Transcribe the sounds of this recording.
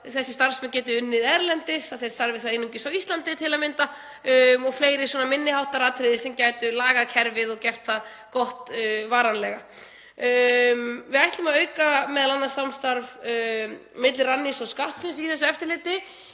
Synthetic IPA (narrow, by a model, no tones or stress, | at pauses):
θɛsːɪst̪aɾ̥smɛncɛːt̪̬ʏʏnːɪðɛɾlɛnt̪ɪsaðθejɾ̥st̪aɾvɪθawejnːuŋcɪsawist̪lant̪ɪt̪ʰɪlaðmɪnt̪a | mɔɣfleːjɾɪsɔːnamɪnːɪhawht̪aɾaːt̪ʰɾɪðɪsɛmcaːjt̪ʏlaːɣacʰɛɾvɪðɔcɛft̪θað | kɔht̪vaːɾanlɛɣa | mvɪðajht̪lʏmaðœːɥkamɛðalanːasamst̪aɾv | mɪt̪lɪranːisɔskaht̪sɪnsiθɛsːʏɛft̪ɪɾlɪːt̪ɪ